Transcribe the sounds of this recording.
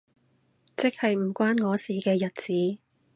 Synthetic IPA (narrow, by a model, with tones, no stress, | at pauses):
t͡sɪ˥k̚hɐ˨jm̩˨˩kʷaː˥nŋɔː˨˧siː˨kɛː˧jɐ˨t̚t͡siː˨˦